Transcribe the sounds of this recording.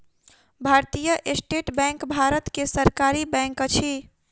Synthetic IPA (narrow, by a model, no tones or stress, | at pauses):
bʱaɾt̪ijəʔesʈeʈbɛ̃ŋkbʱaɾət̪kesəɾkaɾibɛ̃ŋkt͡ʃʰi